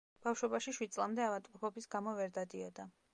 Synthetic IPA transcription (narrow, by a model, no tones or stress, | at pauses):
b̥afʃwɔbaʃiʃwid̪̚tsʼlˠamd̪ɛavat̪ʼqʼupʰɔbisɡamɔvɛɾd̪ad̪iɔd̪a